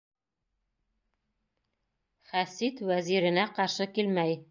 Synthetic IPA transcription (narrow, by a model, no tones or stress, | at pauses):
χæsit̪wæziɾɘ̆næqɑɾʃɤkilmæj